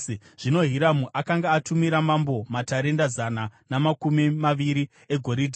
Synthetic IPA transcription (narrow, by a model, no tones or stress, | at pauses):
ʐ̥ino̞ɦiɾamuʔakaŋɡaːtumiɾamambo̞mataɾe̞ndazananamakumimaʋiɾi | e̞ɡʱo̞ɾidʱi